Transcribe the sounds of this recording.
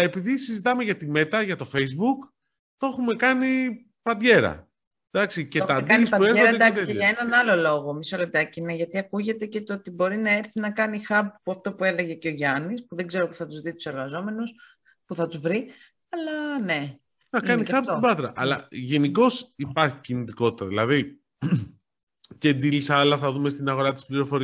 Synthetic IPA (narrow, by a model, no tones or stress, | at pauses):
epiðisizit̪ɐmeʝɐt̪ime̞t̪ɐʝɐt̪ofejzbuk | t̪o̞xume̞kɐni | pɐnd̪ʝe̞ɾɐ̰ | d̪ɐksicet̪ɐd̪ɐispɐueɾɐd̪ɐksiʝɐenɐnɐlo̞lo̞ɣo̞miso̞lep̚t̪ɐcineʝɐt̪iɐkuʝe̞t̪e̞ce̞t̪oot̪ibo̞ɾinɐe̞ɾθinɐkɐnixɐp̚puɐft̪o̞pue̞le̞ʝe̞ce̞o̞ʝɐnispuðe̞ɡze̞ɾopuθɐt̪uzðit̪u̥se̞ɾɣɐzo̞me̞nus | puθɐt̪uzvɾi | ɐlɐne̞ | nɐkɐnixɐpsibɐt̪ɾɐʔɐlɐ̰ʝe̞niko̞sipɐɾçi̥cinit̪iko̞t̪i̥t̪ɐðilɐði | ced̪ilisɐlɐθɐðumest̪inɐɣo̞ɾɐt̪ispliɾo̞fo̞ɾi